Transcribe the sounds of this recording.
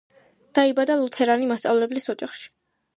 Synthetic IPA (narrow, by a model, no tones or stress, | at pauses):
d̪̥aibad̪alˠut̪ʰɛɾanimast̪sʼa̰vlɛblisɔd͡ʒaχʃi̥